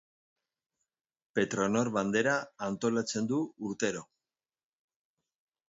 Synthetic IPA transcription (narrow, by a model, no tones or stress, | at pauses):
pe̞t̪ɾo̞no̞ɾβand̪e̞ɾaːnt̪o̞lat͡se̞nd̪uuɾt̪e̞ɾo̞